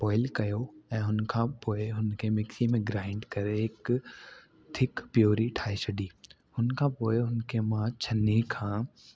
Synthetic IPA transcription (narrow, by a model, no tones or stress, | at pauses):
bɔːɪlkɐjoɛ̃ːɦʊnkʰãpoːɪɦʊnkʰemɪksimẽɡɾaːɪ̃ɳɖkɐɾeɪk | t̪ʰɪkpjoːɾiʈʰaːesɐɖiː | ɦʊnkʰãːpoːeɦʊnkʰemãt͡ɕʰɐnikʰãː